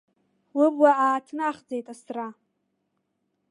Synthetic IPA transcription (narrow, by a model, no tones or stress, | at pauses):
wɨbwaaːtʰnɨaχd͡zejtʼasra